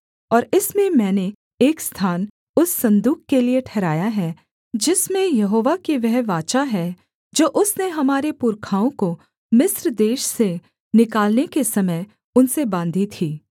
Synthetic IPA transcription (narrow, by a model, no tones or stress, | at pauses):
ɔːɾɪsmẽmɛ̃ːne | eːkst̪ʰaːn | ʊsːɐ̃nd̪uːkkelijeʈʰɛːɾaːjaɦɛ | d͡ʒɪsmẽjɐɦoːʋakeʋɛɦʋaːt͡ʃaɦɛ | d͡ʒoːʔʊsneɦɐmaːɾepʊɾkʰaːõko | mɪsɾd̪eːʃse | nɪkaːlnekesɐməj | ʊnsebãːnd̪ʱit̪ʰiː